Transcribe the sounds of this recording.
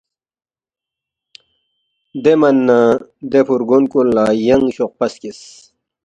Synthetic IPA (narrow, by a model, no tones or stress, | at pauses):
d̪emɐnːad̪epuɾɡonkullajɐŋɡɕoq̚pɐskis